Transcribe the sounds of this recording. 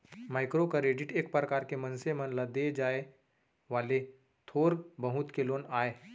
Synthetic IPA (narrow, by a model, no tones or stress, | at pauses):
maːɪkɾokaɾeːɖɪʈeːk̚pɾəkaːɾkemɐnsemə̃nlad̪ed͡ʒaːe | ʋaːle | t̪ʰoːɾbəɦʊt̪keloːnaːeː